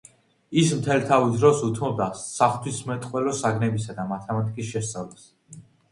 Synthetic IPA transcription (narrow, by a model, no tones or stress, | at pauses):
ismt̪ʰɛlt̪ʰavid̪ɾɔsut̪ʰmɔb̚d̪asaχt̪ʰwismɛt̪ʼqʼwɛɾɔsaɡnɛbisad̪amat̪ʰɛmat̪ʼikʼisʃɛst̪sʼavlɛs